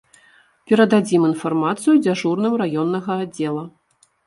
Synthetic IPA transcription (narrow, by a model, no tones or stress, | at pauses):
pʲɛɾɐd̪ad͡zʲiminfarmat̪sɨjud͡zʲaʐurnɨmɾajɔnːɐɣɐad͡zʲːɛlˠɐ